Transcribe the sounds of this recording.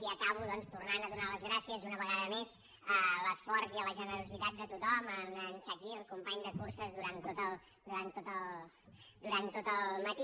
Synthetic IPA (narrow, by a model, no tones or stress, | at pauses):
iəkaβuðɔnst̪urnanəðunaləzɣɾasiəzunəβəɣaðəmez | ələsfɔrziələʒənəɾuzit̪at̪̚d̪ət̪ut̪ɔməmənt͡ʃakiəlˠkumpaɲd̪əkursəzðuɾant̪ot̪əlˠ | d̪uɾant̪ːot̪əlˠ | d̪uɾant̪ːot̪əlˠmət̪i